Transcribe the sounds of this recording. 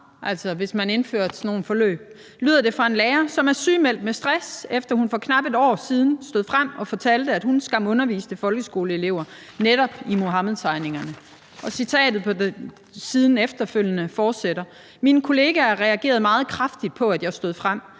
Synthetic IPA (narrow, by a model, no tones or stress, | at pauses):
ʔæl̰sɒ̽ʋe̝smæne̝nfø̰ɐ̰̥sʰno̝ːn̩fɒ̽lø̰ːb̥̚ | lyːðˠɐd̥e̝fʁɑ̈e̝nleːɐsɒ̽mæɐsyːmel̰d̥̚mesd̥ʁasefd̥ɐhunfɒ̽kʰnɑ̈b̥e̝d̥ɒ̰ːsiːð̞ˠn̩sd̥o̝ðˠfʁam̰ɒ̽fɒ̽t͡sʰæl̰d̥əæd̥hunsɡ̥ɑ̈m̰ɔ̽nɐʋḭːsd̥əfɒ̽lɡ̥əsɡ̥o̝ːləe̝le̝ʊ̰ɐ | neɾ̥ɒ̽b̥imo̝ɦɑmð̩ˠt͡sʰɑ̈ɪne̝ŋɐnə | ʔɒ̽sit͡sʰɛ̰ːd̥ð̞̩ˠpʰɒ̽de | siːð̞ˠn̩efd̥ɐføl̰jənəfɒːd̥seɾ̥ɐ | minkʰo̝le̝ːɡ̥ææɐʁɛæɡ̥e̝̰ːɐðˠmɑ̈ːð̞̩ˠkʰʁafd̥id̥̚pʰɒ̽ædjɑ̈sd̥o̝ð̞̰ˠfʁam̰